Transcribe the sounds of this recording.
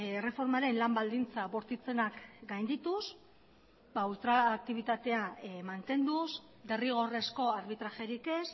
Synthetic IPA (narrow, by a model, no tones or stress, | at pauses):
ere̞fo̞ɾmaɾe̞nlambald̪int͡saβoɾt̪it͡se̞nakɡajnd̪it̪us | bault̪ɾaːk̚t̪iβ̞it̪at̪e̞amant̪e̞nd̪us | d̪e̞riɣ̞o̞re̞sko̞aɾβit̪ɾaʃeɾike̞s